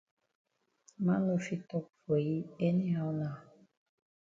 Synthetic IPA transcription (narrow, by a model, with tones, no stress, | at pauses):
mã˦no˨fi˧tɔ˦k̚fo˨ji˦e˦ni˦a˧˦nã˨